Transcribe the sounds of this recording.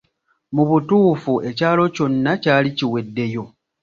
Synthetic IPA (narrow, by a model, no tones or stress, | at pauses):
muβutuːfuʔe̞caːlo̞co̞nːacaːliciwe̞dːe̞jo̞